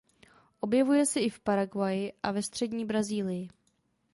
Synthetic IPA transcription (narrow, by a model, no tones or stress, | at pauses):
ʔo̞bjɛvujɛsɛɪfpaɾaɡvajɪʔavɛst̪r̝̥ɛdɲiːbɾaziːlɪjɪ